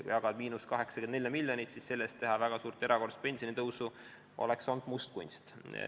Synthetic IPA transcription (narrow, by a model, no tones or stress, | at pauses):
kṵjɑɡ̥ɑd̪̥miːnuskɑɦe̞ksɑ̥kend̪nelʲːjɑmilʲjonit̪sisse̞lːest̪ːe̞ɦɑvæɡ̥ɑsuːrt̪ːe̞ɾɑko̞rspe̞nsionit̪ɤwsu | o̞̰lekso̞nd̪̥must̪̚kunʲst̪